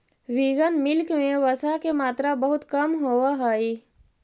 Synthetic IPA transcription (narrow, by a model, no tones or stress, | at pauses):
ʋiɡənmɪlkmẽʋəsakemaːt̪ɾabəɦʊt̪kəmɦoːwaɦaːi